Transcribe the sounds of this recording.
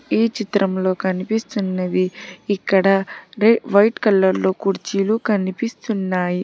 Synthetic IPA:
iːt͡ʃit̪ɾɐmlo̞ːkɐnipist̪unːɐd̪iːkːɐɽɐɾeʋɐjʈkɐlːɐɾlo̞ːkuɾt͡ʃiːlukɐnipist̪unːaːji

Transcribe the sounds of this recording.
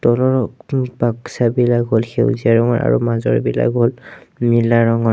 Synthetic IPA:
tɔlɔɹpaksabilakɦolxḛwziaɹɔŋɔ̰ɹa̰ɹṵmazɔ̰ɹibila̰kɦolmilaɹɔŋɔ

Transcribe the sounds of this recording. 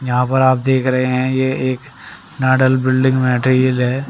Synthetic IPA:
jɐɦãpɐɾaːp̚d̪eːkʰɾɐɦeɦɛ̃jeeːk | naːɖəlbɪlɖɪ̃ŋɡmɛːʈːɾiəlɦɛː

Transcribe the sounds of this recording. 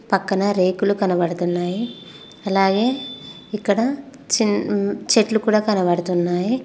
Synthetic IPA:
pɐkːɐnɐɾe̞ːkulukɐnɐbɐɽɐt̪unːaːji | ɐlaːɡe̞ː | ikːɐɽɐ | t͡ʃint͡ʃe̞ʈlukuːɽaːkɐnɐbɐɽɐt̪unːaːji

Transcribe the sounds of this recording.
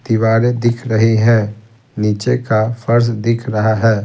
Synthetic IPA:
d̪̥iʋaːɾed̪ɪkʰɾəɦiɦɛ̃ː | niːt͡ʃekafəɾs̬d̪ɪkʰɾɐɦaɦɛː

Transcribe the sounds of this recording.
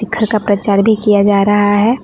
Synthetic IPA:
ɪkʰːəɾkapɾɐt͡ʃaːɾbʱikijad͡ʒaːɾɐɦaɦɛː

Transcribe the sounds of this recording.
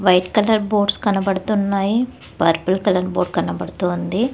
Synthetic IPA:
ʋɐjʈkɐlɐɾboːɖskɐnɐbɐɽut̪unːaːji | pɐɾpɐlkɐlɐɾbo̰ːɖ̚kɐnɐbɐɽut̪oːnd̪i

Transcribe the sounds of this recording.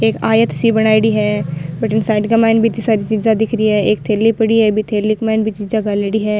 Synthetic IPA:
eːkaːjət̪ʃibɐɽ̃aːiɽiɦɛːbəʈənsaːɪɖkamaːɪnbʱit̪isaːɾit͡ʃiːzãd̪ɪkʰɾiɦɛeːk̚t̪ʰeːlːipɐɽiɦɛbʱit̪ʰeːlːikmaːnbʱit͡ʃiːzãɡaːleɽiɦɛː

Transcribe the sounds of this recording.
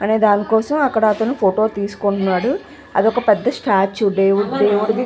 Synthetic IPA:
ɐne̞ːd̪aːnikɔːsɐmɐkːɐɽaːt̪oːnupʰoːʈo̞ːt̪iːsu̥koɳunːaːɽu | ɐ̰d̪iɔkɐpɛd̪ːɐsʈaːt͡ʃuɖeːʋuɖɖeːʋuɽd̪i

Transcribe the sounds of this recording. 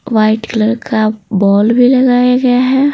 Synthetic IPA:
ʋaːɪʈkləɾkabɔːlbʱilɐɡaːjaɡɐjaɦɛː

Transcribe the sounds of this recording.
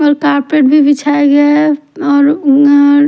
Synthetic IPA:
ɔɾkaːɾpɾeʈ̚bʱibʱit͡ʃʰaeɡa | ɔːɾ

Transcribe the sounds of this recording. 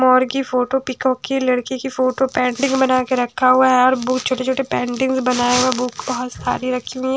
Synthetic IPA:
mɔːɾɡifoːʈopɪkɔːkːilɐɽkikifoːʈopɛ̃ːɳɖɪ̃ŋɡbɐnaːkeɾɐkʰːaɦuaɦɛɔɾbʊt͡ʃʰoːʈet͡ʃʰoːʈepɛ̃ːɳɖɪ̃ŋɡzbɐnaːemɛ̃bʊkbɐɦɔt̪sa̰ːɾiɾɐkʰːiũi

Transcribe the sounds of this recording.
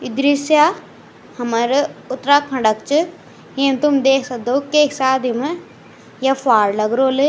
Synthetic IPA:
ɪd̪ɾisja | hɐmɐɾʊt̪ɾaːkʰɐ̃ɳɖəkt͡ʃɨ | ɦemt̪umd̪eːkʰsɐk̚d̪oːkeːksaːd̪ʱim | jɐfaːɾlɐɡɾoːle

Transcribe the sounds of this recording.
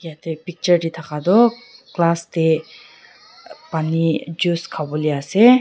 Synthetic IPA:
kiat̪epik̚t͡ʃəɾdit̪ʰakad̪ɔklaste | panid͡ʒuskʰabɔliase

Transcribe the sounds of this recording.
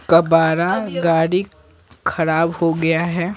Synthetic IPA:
kɐbaːɾaɡaːɽi | kʰɐɾaːbhoɡɐjaɦɛː

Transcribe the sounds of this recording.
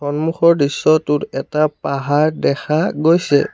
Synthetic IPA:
xɔnmuxɔɹdisːɔtʊɹɛtapaɦaɹdɛxʰaɡojsɛ̰

